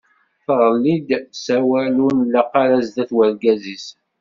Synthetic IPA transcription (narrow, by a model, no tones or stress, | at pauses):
θʁəlːid̪sæwælunlːæqɑɾæzd̪æθwəɾɡæzis